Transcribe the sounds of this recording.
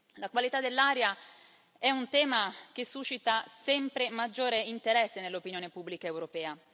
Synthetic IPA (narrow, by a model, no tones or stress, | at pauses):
lakwalit̪ad̪elːaːɾja | ɛunt̪ɛːmak̟esːuʃit̪asɛmpɾemad͡ʒːoːɾeint̪eɾɛsːenelːopinjoːnepubːlikaewɾopɛːa